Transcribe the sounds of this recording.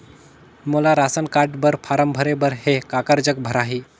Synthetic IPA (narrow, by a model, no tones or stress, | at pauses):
molaɾasənkaʈbəɾpʰaɾəmbʱəɾebəɾhekakəɾd͡ʑək̚bʱəɾaɦiː